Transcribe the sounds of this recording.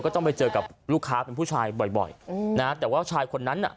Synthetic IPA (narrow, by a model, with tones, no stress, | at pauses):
kɔː˥˩t̪ɔ˥˩ŋpa˧jt͡ɕɤː˧ka˨˩p̚luː˥˩kʰːaː˦˥pe˧npʰuː˥˩t͡ɕʰaː˧jbɔ˨˩jbɔ̰˨˩jna˦˥t̪ɛː˨˩waː˥˩t͡ɕʰaː˧jkʰo˧nːa˦˥nʔa̰˨˩